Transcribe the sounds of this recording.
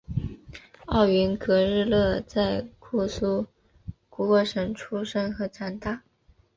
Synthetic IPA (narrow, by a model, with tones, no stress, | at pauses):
ɑ˥˩ʊy˧˥nkʰɤ˧˥ɻɻ̩˥˧lɤ˥˧t͡sa˥˩ɪkʰu˥˩su˥ | ku˧˥wɔ˥˩ʂə˧˥ŋʈ͡ʂʰu˥ʂə˥ŋxɤ˧˥ʈ͡ʂʰa˧˥nt̪a˥˩